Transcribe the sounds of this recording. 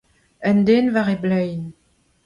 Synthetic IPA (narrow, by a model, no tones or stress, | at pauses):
ɛnd̪eːnvaʁeblɛjn